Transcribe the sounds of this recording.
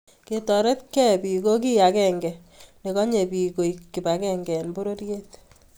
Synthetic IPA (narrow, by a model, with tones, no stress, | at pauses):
ke˨tɔ˨ɾe˦tkɛ˦pi˨ko˦k̬i˦ja˨kɛ˦˨ŋɡɛ˨ | ne˨kɔ˦ɲe˨pi˨ko˨iki˨ba˨kɛ˦ŋɡɛ˨nbo˦ɾo˦ɾje˦t